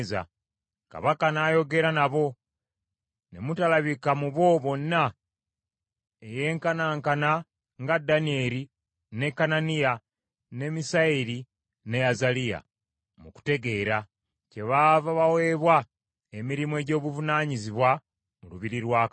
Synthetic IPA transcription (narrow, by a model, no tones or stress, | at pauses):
za̰ | ka̰βakanaːjo̞ɡe̞ɾanaβo̞ | ne̞̰mutalaβikamuβo̞βo̞nːa | eje̞ːŋkanaːŋkana | ŋɡadːanie̞ːɾi | ne̞kananija | ne̞misaiɾi | ne̞azalija̰ | muku̥te̞ɡe̞ɾa | ce̞βavaβawe̞ːβwa | emiɾimoeɟo̞ːβuvunaːɲiziβwa | muluβiɾiɾwaːk